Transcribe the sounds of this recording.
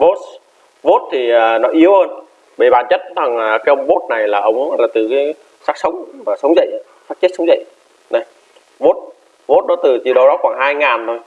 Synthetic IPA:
vo˦˥t̚ | vo˦˥t̚t̪ʰi˨˩əː˨˩nɔ˨˦ʔi˨˦əwhəː˧n | ɓe˧˩ɓaː˧˩nt͡ɕə˦˥t̚t̪ʰa˨˩ŋː˨˩kaː˨˦ʔə˧wŋ͡mvo˦˥t̚na˨˩jlaː˨˩ʔə˨˦wŋ͡mlaː˨˩t̪ɨ˨˩kaː˨˦j | saː˦˥k̚sə˨˦wŋ͡mmaː˨˩sə˨˦wŋ͡mzə̰˧˨jʔ | saː˦˥k̚t͡ɕə˦˥t̚sə˨˦wŋ͡mzə̰˧˨j | na˨˧˩j | vo˦˥t̚ | vo˦˥t̚ɗɔ˨˦t̪ɨ˨˩t͡ɕḭ˨ɗə˨˩wɗɔ˨˦xwaː˧˩ŋhaː˧jŋaː˨˩nt̪ʰo˧j

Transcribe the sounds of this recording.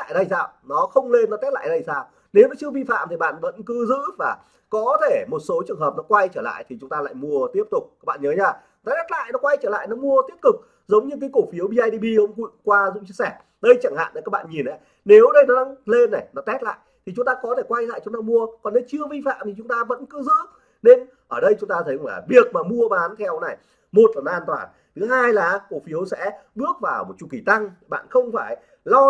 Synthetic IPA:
la̰ː˧˨jɗə˧jsaː˧wnɔ˨˦xə˧wŋ͡mle˧nːɔ˨˦t̪ɛ˦˥t̚la̰ː˧˨jɗə˧jsaː˧w | ne˨˦wnɔ˨˦t͡ɕɨ˧əvi˧fa̰ː˧˨mt̪ʰi˨˩ɓa̰ː˧˨nvə̰˧˥nkɨ˨˦zɨ̰˧˥vaː˨˩ | kɔ˨˦t̪ʰe˧˩mo˨˩t̚so˨˦t͡ɕɨ˨˩əŋɦəː˨˩p̚nɔ˨˦kwa˧jt͡ɕəː˧˩la̰ː˧˨jt̪ʰi˨˩t͡ɕʊ˨˦ŋ͡mt̪aː˧la̰ː˧˨jmu˧ət̪i˦˥əp̚t̪ʊ˨˩k͡p̚aː˦˥k̚ɓa̰ː˧˨ɲəː˨˦ɲaː˧˩ | t̪ɔ˨˦t̪ɛ˦˥t̚la̰ː˧˨jnɔ˨˦kwa˧jt͡ɕəː˧˩la̰ː˧˨jnɔ˨˦mu˧ət̪i˦˥əp̚t̪ʊ˨˩k̚ | zə˨˦wŋ͡mɲɨ˧k̬aː˨˦jko˧˩fi˨˦əwɓi˧aː˧jɗi˧ɓi˧ʔə˧wŋ͡mkwḭ˧˨kwaː˧zʊ̰˧˥t͡ɕi˧əsɛ˧˩ | ɗə˧jt͡ɕa˧˩ŋha̰ː˧˨nʔə˨˩kaː˦˥kɓa̰ː˧˨nɲi˨˩nʔə˨˦j | ne˨˦wɗə˧jnɔ˨˦ɗa˨˦ŋle˧nːa˨˩jnɔ˨˦t̪ɛ˦˥t̚la̰ː˧˨jt̪ʰi˨˩t͡ɕʊ˨˦ŋ͡mt̪aː˧kɔ˨˦t̪ʰe˧˩kwa˧jla̰ː˧˨jt͡ɕʊ˨˦ŋ͡mt̪aː˧mu˧əkɔ˨˩nːə˨˧˦t͡ɕɨ˧əvi˧fa̰ː˧˨mt̪ʰi˨˩t͡ɕʊ˨˦ŋ͡mt̪aː˧və̰˧˥nkɨ˨˦zɨ̰˧˥ | ne˧n | ʔəː˧˩ɗə˧jt͡ɕʊ˨˦ŋ͡mt̪aː˧t̪ʰə˨˦klaː˨˩vi˨˩ək̚maː˨˩mu˧əɓaː˨˦nt̪ʰɛ˧wna˨˩j | mo˨˩t̚laː˨˩nɔ˨˦ʔaː˧nt̪waː˨˩n | t̪ʰɨ˨˦ɦaː˧jlaː˨˩ko˧˩fi˨˦əwsɛ̰˧˥ɓɨ˦˥ək̚vaː˨˩wmo˨˩t̚t͡ɕu˧˩ki˧˩t̪a˧ŋɓa̰ː˧˨nxə˧wŋ͡mfaː˧˩j | lɔ˧

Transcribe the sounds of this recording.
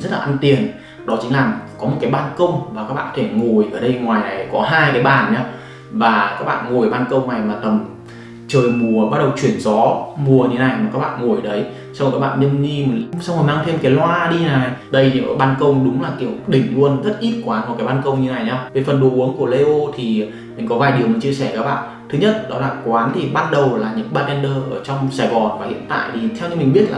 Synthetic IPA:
zə˦˥t̚laː˨ʔnt̪i˨˩ən | ɗɔ˨˦t͡ɕï˨˦ŋ̟laː˨˩mkɔ˨˦mo˨˩t̚kaː˨˦jɓaː˧nkə˧wŋ͡mmaː˨˩kaː˦˥kɓa̰ː˧˨kʰːɔ˧˨e˧˩ŋo˨˩jʔəː˧˩ɗə˧jŋwaː˨˩jna˨˩jkɔ˨˦ɦaː˧jkaː˨˦jɓaː˨˩nɲaː˧ | vaː˨˩kaː˦˥k̚ɓa̰ː˧˨nŋo˨˩jɓaː˧nkə˧wŋ͡mna˨˩jmaː˨˩t̪ə˨˩m | t͡ɕəː˨˩jmu˨˩əɓa˦˥ɗə˨˩wt͡ɕwi˧˩ənzɔ˨˦mu˨˩əɲʰ˧˨˦na˨˩jmaː˨˩kaː˦˥k̚ɓa̰ː˧˨nŋo˨˩jɗə˨˦j | swkaː˦˥k̚ɓa̰ː˧˨nɲə˧nɲi˧˨sa˧wŋ͡məː˨˩t̪aː˧ŋt̪ʰe˧nkaː˨˦jlwaː˧ɗi˧naː˨˩jɗə˧jʰi˨˩ʔəː˧˩ɓaː˧nkə˧wŋ͡mɗʊ˨˦ŋ͡mlaː˨˩ki˨˧˩ə˩wɗï˨˩ŋ̟lu˧ənzə˦˥t̚ʔi˦˥p̚kwaː˨˦nkɔ˨˩kaː˨˦jɓaː˧nkə˧wŋ͡mɲɨ˧˨˦na˨˩jɲaː˧wve˨˩fə˨˩nɗo˨˦ʔu˨˦əŋku˧˩əle˧ʔo˧t̪ʰi˨˩ | mmï˨˩ŋ̟kɔ˨˦vaː˨˩jɗi˨˩əwmi˨˩ŋt͡ɕi˧əsɛ˧˩kaː˦˥k̚ɓa̰ː˧˨n | t̪ʰɨ˨˦ɲə˦˥t̚ɗɔ˨˦laː˨˩kwaː˨˦nt̪ʰi˨˩ɓaː˧˥nɗə˨˩wlaː˨˩ɲɨ̰˧˥ŋɓaː˧t̚ʔɛ˧nɗəː˧ʔəː˧˩t͡ɕɔ˧wŋ͡msaː˧˩jɣɔ˨˩nvaː˨˩hḭ˧˨ənt̪a̰ː˧˨jt̪ʰi˨˩t̪ʰɛ˧wɲɨ̰˧˥mi˨˩ŋ̟ɓi˦˥ət̚la̰ː˨˩

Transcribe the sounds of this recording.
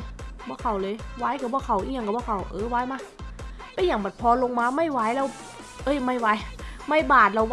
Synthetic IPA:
bɔː˧˥˨kʰa˧˩wlɤː˧jwaː˧˥˩jka˧˩bɔː˧˩˨kʰa˧˩wʔi˧˩˨ɲa˧ŋka˧˩bɔː˧˥˩kʰa˧˩wʔɤː˧˦waː˧˥jmaː˧˩ | pa˧˥˦jaː˧˩ŋbɔː˨˩t̪̚pʰɔː˧lo˧ŋmaː˧ma˥˩jwaː˧˥˩jlɛː˦˧˩w | ʔɤ˧˩˨jma˥˩jwa˧˥jma˥˩jbaː˨˩t̪̚la˧˩w

